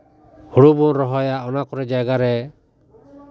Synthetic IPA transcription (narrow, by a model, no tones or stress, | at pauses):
hoɽubunɾɔɦɔjaɔnakɔɾɛd͡ʒajɡaɾɛ